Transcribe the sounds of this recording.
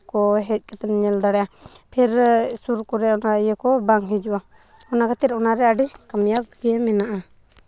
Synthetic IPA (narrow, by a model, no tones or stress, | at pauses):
kɔɦɛc̪̚ˀkɛt̪ɛnɲɛld̪aɽɛjapʰiɾsuɾkɔɾɛɔnajɛkɔbaŋɦid͡ʒua | ɔnakat̪iɾɔnaɾɛaɖikamjab̚ɡɛmɛnaʔa